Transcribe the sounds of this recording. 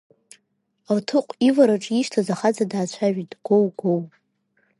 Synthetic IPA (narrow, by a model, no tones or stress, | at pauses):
rtʰɨqʷʼivaɾaʈ͡ʂʼiʃtʰazaχad͡zadaːt͡ɕʷʰaʒᶣidʼɡ̥owɡow